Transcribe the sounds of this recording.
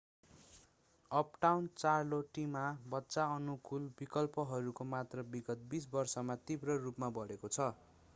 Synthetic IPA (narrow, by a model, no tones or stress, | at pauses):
ʌpʈawnt͡sarloʈimabʌtːsaʌnukulbikʌlpʌɦʌɾukomat̪rʌbiɡʌt̪̚bisbʌrsʌmat̪ibrʌrupmabʌɽekot͡sʰʌ